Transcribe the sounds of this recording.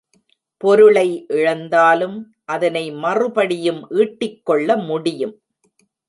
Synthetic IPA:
pɔɾɯɭɐɪʔɪɻɐnd̪aːlɯm | ʔɐðɐnɐɪmɐrɯpɐɽɪjɯmʔiːʈːɪkːɔɭːɐmʊɽɪjɯm

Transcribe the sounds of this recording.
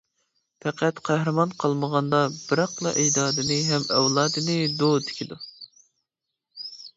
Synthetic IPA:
pʰɛqʰæt̪qʰæɦɾɨmɑnqʰɑlˠməʁɑnd̪ɑbɨɾɑqlˠɑ̰ʔɛjd̪ɑːd̪ɨnɨɦɛmɛwlˠɑːd̪ɨnɨd̪ot̪ʰɪ̥kʲʰid̪u

